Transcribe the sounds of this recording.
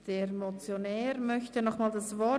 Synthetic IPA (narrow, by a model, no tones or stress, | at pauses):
d̥eːɾmot͡sjonɛːɾmœçtənɔχmaːldasvɔ